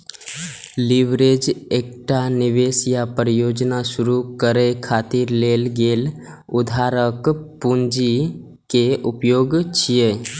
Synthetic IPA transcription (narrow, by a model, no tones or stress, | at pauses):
liʋɾed͡ʒek̚ʈanɪʋeːsjapɾəjoːd͡ʒnaʃʊɾukəɾekʰaːt̪iɾleːlɡeːl | ʊd̪ʱaːɾəkpund͡ʒi | keʊpjoːɡt͡ʃʰije